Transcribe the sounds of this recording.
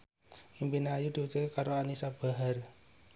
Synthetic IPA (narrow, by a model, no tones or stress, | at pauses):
impineajud̪̥iut͡ʃekaɾoanisab̥a̤ɦar